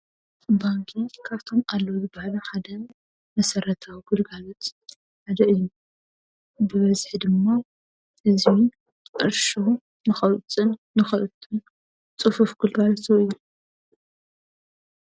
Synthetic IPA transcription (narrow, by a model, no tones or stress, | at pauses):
baŋkʰikʰaβt̪ʰo̞malːɐwzɨbahlɐħad̪ɐ | mɐsɐɾɐt̪ʰawiɡulɡalot̪ | ħad̪ɐʔɨjːu | bɨβɐzħid̪ɨmːa | ʔɨzi | ʔɨɾʃo | nɨxɐwt͡sʼɨnːɨxɐʔɨt̪ʼɨn | t͡sʼɨfufɡɨlɡalot̪oɨjːu